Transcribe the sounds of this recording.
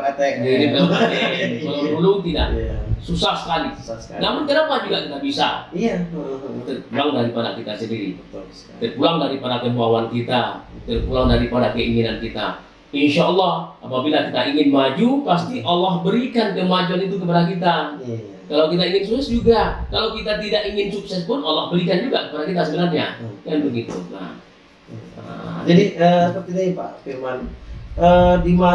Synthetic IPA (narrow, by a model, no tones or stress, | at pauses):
t̪ɛdiɾipnakat̪ɛəlollulʊŋt̪ida̰ʔsusahsə̥kalinamʊnkaɾaŋmad͡ʒulakit̪abisa̰ | t̪ərpulaŋdaɾipada̰kit̪asəndiɾḭ | t̪ərpulaŋdaɾipadakəmuawankit̪at̪ərpulaŋdaɾipadakəiŋinankit̪a̰ | inʃaɔlːɑhapabilakit̪aiŋɪnmad͡ʒupast̪iʔalahbəɾikankəmad͡ʒuanit̪uk̬əp̬adak̬it̪̬a | kalawkit̪aiŋɪnsuksɛsd͡ʒuɡakalawkit̪at̪idaʔiŋɪnsuksɛspʊnalɔhbəɾikand͡ʒuɡakəpadakit̪asəbəlarɲa̰ɡanbəŋit̪ṵna̰h | a̰d͡ʒadiəpət̪it̪aipa̰firmanədima